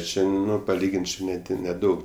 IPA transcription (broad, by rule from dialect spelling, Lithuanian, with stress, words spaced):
ˈt͡ʃʲɛ ˈnʊ pɐˈlʲiːɡʲɪnʲtʲ ˈt͡ʃʲɪ nʲɛˈdʲɪ nʲɛˈdɐʊk